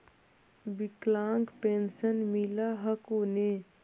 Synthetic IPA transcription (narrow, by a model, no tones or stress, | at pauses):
biklãːŋɡpensənmilaɦəkoːne